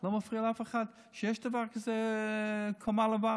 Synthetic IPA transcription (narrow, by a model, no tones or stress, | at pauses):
lˠomafʁiːəlˠafaχad | ʃɛʃtəvaɾkɪze | kʰɔmalˠəva